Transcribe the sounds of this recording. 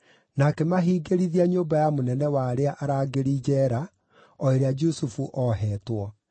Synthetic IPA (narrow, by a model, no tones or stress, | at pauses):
nakɛmaɦiːɡeɾiðiaɲoːbajamonɛnɛwaːɾeaʔaɾaːɡeɾid͡ʒɛɾa | ɔeɾead͡ʒusufuʔɔɦɛːtwɔ